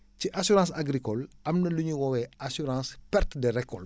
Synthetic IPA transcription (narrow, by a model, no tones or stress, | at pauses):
ciʔasyɾãːsaɡɾikɔlɐmnɐluɲuwɔwɛasyɾɑ̃ːspɛrtdeɾɛkːɔl